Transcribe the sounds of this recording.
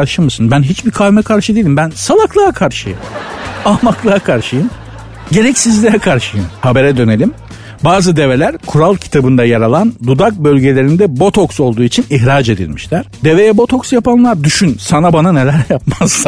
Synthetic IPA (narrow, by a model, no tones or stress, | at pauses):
aɾʃɯmɯsɯnbænɦit͡ʃbikʰalʲmɛkʰaɾʃɯd̪ilʲimbænsalˠaklˠaakʰaɾʃɯjɯ̰maːmaklˠaakʰaɾʃɯjɯm | ɟe̞ɾɛcsizlʲɛɾɛkʰaɾʃɯjɯmhabe̞ɾɛd̪ø̞ne̞lʲim | baːzɯd̪e̞ve̞lʲæɾkʰuɾalˠcʰi̥t̪ʰabɯnd̪ajaɾalˠand̪ud̪ak̚bø̞lʲɟe̞lʲe̞ɾind̪ɛbo̞t̪ʰo̞kso̞lˠd̪uːit͡ʃʰiniçɾad͡ʒe̞d̪ḭlʲmiʃlʲæɾ̥d̪e̞ve̞jɛbo̞t̪ʰo̞ksjapanlˠaɾd̪yʃynsanabanane̞lʲæɾjap̚maz̥ːa